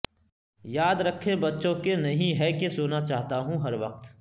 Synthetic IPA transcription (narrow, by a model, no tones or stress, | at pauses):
jaːd̪ɾɐkʰːebɐtːʃõkenɐɦĩɦɛkesoːnat͡ʃaːɦt̪aɦũɦɐɾʋɐq̚t̪